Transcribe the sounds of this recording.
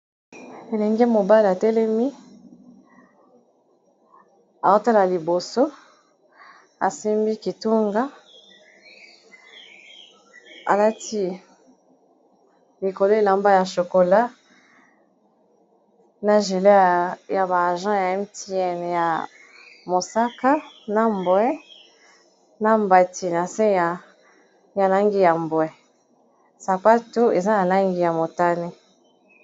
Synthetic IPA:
e˨lɛ˨ŋɡe˦mo˨ba˦li˨a˨tɛ˦lɛ˦mi˦ | a˨o˦ta˦la˨li˨bo˨so˦ | a˨si˦mbi˦ki˨tu˦ŋɡa˦ | a̰˨la˦ti˦ | li˨ko˨lo˦e˨la˨mba˦ja˨ʃo˨ko˨la˦ | na˨ʒe˨le˦ja˨ba˨ʒã˦ja˨ɛ˦mti˦ɛ˦n˨ja˨ | mo˨sa˦ka˦na˦mbwɛ˦ | na˦mba˨tʰi˦na˨se˦ja˨ | ja˨la˦ŋɡi˦ja˨mbwɛ˨ | sa˨pa˦to˦e˨za˦ja˨la˦ŋɡi˦ja˨mo˨ta˦ne˦

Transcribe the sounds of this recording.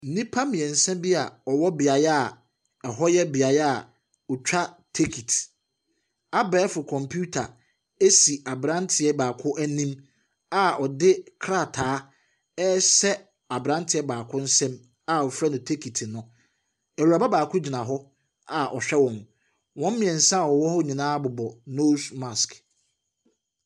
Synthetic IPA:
n̩˨nĩ˦pʰa˦mɪ̃˨ɛ̃˨n̩˨sɛ̃˦mbi˦a˨ɔ˨wɔ˦bɪ˨a˨jɛ˦a˨ | ɛ˨ɦɔ˦jɛ˦bɪ˨a˨jɛ˦a˨ | ʊ˨t͡ɕᶣa˦ | tʰe˦kʰi˨t | a˦bɛː˦fʊ˨kʰɔ̃˨mpʰu˦tʰa̰˨ | e˦si˨ʔa˨bɾã˦ntʰɪ˨ɛ˦baː˨kʰʊ˦ʔæ˦nĩ˦m | a˨ɔ˨dɪ˦kʰɾa˦˨tʰaː˨˦ | ɛ˦sɛ˦ | a˨bɾã˦ntʰɪ˨ɛ˦baː˨kʰʊ̃˦n̩˦sɛ̃˦m | a˨ɔ˨fɾa˦nʊ̃˨tʰe˦kʰi˨tʰnʊ̃˦ | æ˨wu˨ɾa˨ba˦baː˨kʰʊ˦d͡ʑi˨nã˨ɦɔ˦ | a˨ʔɔ̰˨ɕᶣɛ˦wɔ̃˨m | wɔ̃˦m˦mɪ̃˨ɛ̃˨n̩˨sã˦˨wɔ˨wɔ˦hɔ˦ɲĩ˨nãː˦bʊ˨bɔ˨no˦sma˨sk

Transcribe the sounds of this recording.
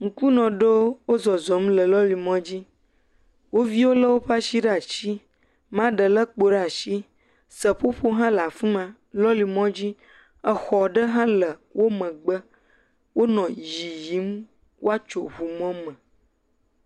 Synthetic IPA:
ŋ̩˨ku˦nɔ̃˨ɖo˦wo˦zɔ˨zɔ˨˦m˦lə˨lɔ˦li˨mɔ̃˦d͡ʑi˦ | wo˦vi˦wo˦lə˦wo˦ɸa˦ʃi˦ɖa˨t͡ɕi˦ | mã˦ɖə˨lə˦k͡po˨ɖa˨ʃi˦ | sə˨ɸo˦ɸo˦ɦã˦la˨fũ˦mã˨ | lɔ˦li˨mɔ̃˦d͡ʑi˦ | ə˨xɔ˨ɖə˦ɦã˦lə˨wʔo˦mə̃˨ɡ͡bə˦ | wʔo˦nɔ̃˨ji˨ji˨˦m | wʔo˦a˦t͡ʃo˨ɦu˨mɔ̃˦mə̃˨

